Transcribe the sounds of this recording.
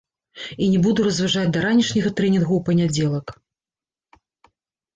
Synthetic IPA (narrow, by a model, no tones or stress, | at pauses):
inʲɛbud̪uɾɐzvaʐad͡zʲd̪ɐɾanʲiʂnʲɐɣɐt̪ɾɛnʲinɣuwpɐnʲad͡zʲeɛlˠɐk